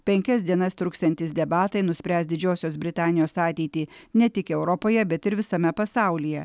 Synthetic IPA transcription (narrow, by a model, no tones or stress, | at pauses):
pʲɛŋʲkʲɛs̬ʲd̪ʲiɛnɐst̪ɾʊkst̪ɛnʲt̪ʲɪsd̪ʲɛbɑːt̪ɐɪnʊsʲpʲɾʲæːsd̪ʲɪd͡ʒʲoːsʲoːsbʲɾʲɪt̪ɑːnʲɪjoːsɑːt̪ʲɛɪt̪ʲiːnʲɛt̪ʲɪkɛʊɾɔpoːjɛbʲɛt̪ɪɾʋʲɪsɐmʲɛpɐsɑˑʊlʲijɛ